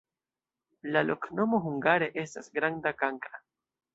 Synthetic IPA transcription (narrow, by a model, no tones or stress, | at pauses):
laloknomoxuŋɡaɾeʔesasɡɾaŋd̪akaŋka